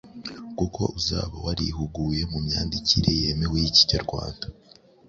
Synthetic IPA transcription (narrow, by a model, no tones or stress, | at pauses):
kuko̞̰uza̰ːβawaɾihuɡuːje̞mumɲaːndiciɾeje̞mewejici̥ɲaɾɡwa̰ːnd̥a